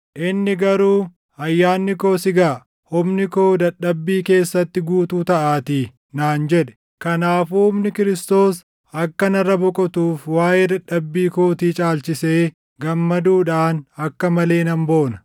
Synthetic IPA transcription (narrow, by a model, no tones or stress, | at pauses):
ʔɪnːɪɡɐɾuː | ɐjːaːnːɪko̞ːsɪɡaː | hʊmnɪko̞ːd̪ɐᶑɐbːiːke̞ːsːɐt̪ːɪɡuːt̪uːt̪ɐʔaːt̪i | naːnd͡ʒɛᶑɛ̥ | kɐnaːfuːhʊmnɪkɪɾɪst̪o̞ːs | ɐkːɐnɐrːɐbɔkʼɔt̪uːfwaːjeːd̪ɐᶑːɐbːiːkoːt̪iːt͡ʃʼaːlt͡ʃɪse̞ː | ɡɐmːɐd̪uːᶑaːnɐkːɐmɐle̞ːnɐmbo̞ːnɐ̥